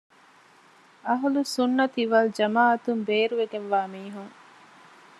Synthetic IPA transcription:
ɐɦulusunːɐt̪iʋɐld͡ʒɐmaːɐt̪umbeːɾuʋeɡenʋaːmiːɦuŋ

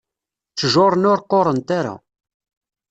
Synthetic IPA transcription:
t͡sːəʒoɾˤənʊɾqːoɾˤənt̪aɾa̰

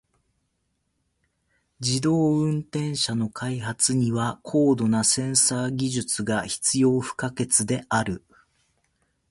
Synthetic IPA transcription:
d͡ʑid̪o̞ːɯ̟̃nt̪ẽ̞ɰ̃ɕano̞kʰaihat͡sɨɲ̟iβakʰo̞ːd̪o̞nasẽ̞ɰ̃saːɡʲiʑɨt͡sɨɡaçi̥t͡sɨjo̞ːɸɯ̟̥kake̞t͡sɨd̪e̞ʔaɾɯ̟

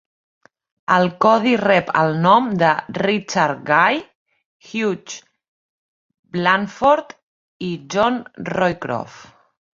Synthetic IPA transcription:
əlˠkɔðirɛpə̰lˠnɔmd̪ərit͡ʃaɾɡaj | xjut͡ʃ | blanfoɾt̪ | iʒɔnrɔjkɾɔ̰f

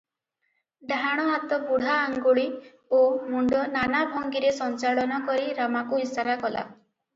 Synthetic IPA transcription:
ɖaɽ̃ɔɦat̪ɔbuɽ̤aːŋɡoɭi | omuɳɖɔnanabʱɔŋɡiɾesɔnt͡ʃaɭɔnɔkɔɾiɾamakuisaɾakɔla̰

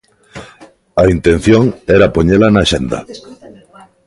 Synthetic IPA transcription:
aint̪en̟θjoŋɛɾapoɲelanaʃend̪ɐ̰

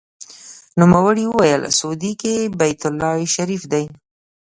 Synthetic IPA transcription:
numawəɽiwəwajəlsod̪ikebajt̪ʊlːɑʃaɾifd̪aj

